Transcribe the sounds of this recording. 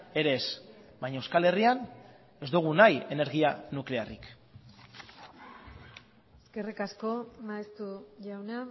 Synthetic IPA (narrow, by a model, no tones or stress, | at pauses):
e̞ɾe̞sbajɲaewskale̞rian | e̞zd̪uɣ̞unaje̞ne̞ɾɣianukle̞arik | eske̞rikasko̞maest̪uʝawna